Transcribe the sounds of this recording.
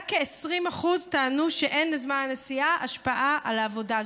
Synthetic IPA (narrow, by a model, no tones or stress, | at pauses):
kːeːsʁimaχuztaːnuʃeʔe̞nlezmananesiaʔaʃpaʔaʔalaːvo̞da